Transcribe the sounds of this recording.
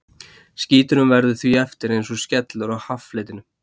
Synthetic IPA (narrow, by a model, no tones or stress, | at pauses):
sciːt̪ʏnʏmvɛɾðʏθviɛft̪ɪɾejnsɔscɛt̪lʏɾaɣhafleːjt̪ɪnʏ